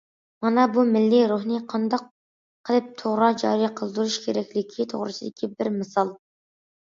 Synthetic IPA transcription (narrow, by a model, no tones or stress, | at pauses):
mɑnɑbumɪlːiɾuɦnɨqʰɑnd̪ɑq | qʰəlˠɨp̚t̪ʰoʁɾɑd͡ʒɑ̰ɾijqʰəlˠd̪uɾuʃkʲʰeɾɛkʲlɪkʲʰit̪ʰo̰ʁɾɨ̰sɨd̪ɪkʲʰibɪɾmɨsɑlˠ